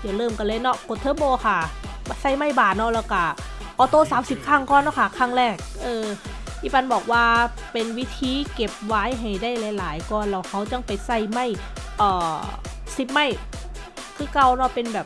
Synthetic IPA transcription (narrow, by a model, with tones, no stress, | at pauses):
di˧˦lɤː˧˩˨mka˧nlɤː˧˨jnɔ˧˥ko˨˩t̪ʰːɤː˧˥boː˧kʰa˧˩˧sa˧˥˩jma˥˩jbaː˨˩t̪̚nɔ˧˥˨lɛː˧˩wka˧˩ | ʔɔː˧˩t̪oː˧˨saː˨˦msi˨˩p̚kʰaː˧˥˩ŋkɔː˧˥nːɔ˧˥˩kʰa˧˩kʰaː˥˩ŋɾɛː˧˩k̚ʔɤː˧ | ʔiː˧˩pa˧nbɔː˨˩k̚waː˧ | pe˧nwi˦˥t̪ʰiː˧˥ke˨˩p̚waː˦˥jɦa˨˩jda˧˥˩jla˧˦laː˨˦jkɔː˧nla˧˩wha˧˩wt͡ɕa˧˥˩ŋpa˨jsa˧˩jma˥˩j | ʔɔː˨˩ | si˨˧˦p̚ma˥˩j | kʰɯː˧˩˨ka˧wnɔ˧˩pe˧nbɛː˨˩p̚